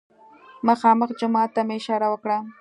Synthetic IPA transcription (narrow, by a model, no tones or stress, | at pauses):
maxɑːmɑχd͡ʒʊmaːt̪amɪʃaːɾawakɽaː